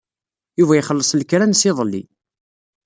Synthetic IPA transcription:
juvæjχəlːəsˤlkɾænsɪðˤəlːḭ

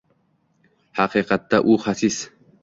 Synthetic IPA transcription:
haqiːqɑt̪ːaʔuχasis

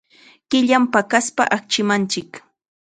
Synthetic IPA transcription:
kɪʎampakaspa̰ʔak̚t͡ʃɪmant͡ʃɪk

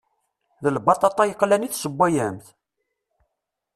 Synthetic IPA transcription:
ðəlbɑt̪ˤɑt̪ˤɑjəqːlæniθsəbːæjæmθ

